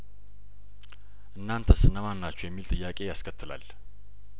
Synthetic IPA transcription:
ʔɨnːant̪ʰəsɨnːəmanːat͡ʃːujɛmːilt̪ʼɨjːakʼe̞jaskʰət̪ʰːɨla̰l

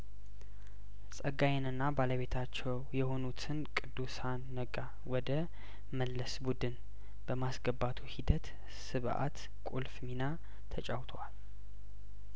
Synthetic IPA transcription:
sʼəɡajɛnɨnːabaləβe̞t̪ʰat͡ʃːɛwjɛho̞nut̪ʰɨnkʼɨd̪ːusanːəɡa | wɔd̪ə | məlːəsbud̪ɨn | b̥əmasɡəbːat̪ʰuhid̪ət̪ | sɨβʔa̰t̪ | kʼulfmina | t̪ʰət͡ʃʼawt̪ʰəwal

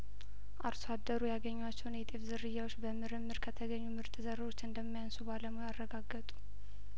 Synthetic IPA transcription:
ʔaɾsad̪ːəɾujaɡəɲːwat͡ʃːɛwnjɛt̪ʼefzɨrːɨjːawot͡ʃːbəmɨɾɨmːɨɾkʰət̪ʰəɡəɲːumɨɾt̪ʼɨzəɾo̞t͡ʃːɨnd̪əmːijansubaləmujarːəɡaɡːət̪ʼu̥

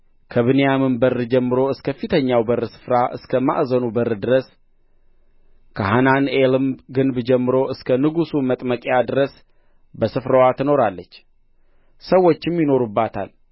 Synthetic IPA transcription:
kʰəβɨnejamɨmbərːɨd͡ʒɛmːɨɾo̞ɨskʰəfit̪ʰəɲːawbəɾːɨsɨ̥fɾaʔɨ̰skʰəma̰ʔzənubəɾːd̪ɨɾəs | kʰəɦananelɨmɡɨnbd͡ʒɛmːɨɾo̞ʔɨskʰənɨɡusumət̪ʼməkʼjad̪ɨɾəs | bəsɨfɾəwat̪ʰɨno̞ɾalːət͡ʃː | səwːo̞t͡ʃːɪmjɪno̞ɾubːat̪ʰa̰l

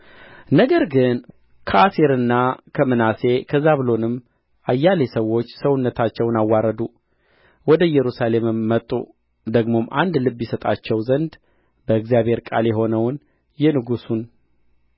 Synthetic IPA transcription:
nəɡəɾɡɨn | kʰəʔaseɾɨnːakʰəmɨnase̞kʰəzaβɨlo̞nɨm | ʔajːalesəwːo̞t͡ʃːsəwunːət̪ʰat͡ʃːɛwnawːaɾəd̪u | wɔd̪əjɛɾusale̞mɨmːət̪ʼːṵ | d̪əɡmo̞mʔand̪lɨbjɛsət̪ʼa̰t͡ʃːɛwzənd̪ | bəɨɡzijaβhe̞ɾkʼa̰ljɛɦo̞nəwn | jɛnɨɡusun

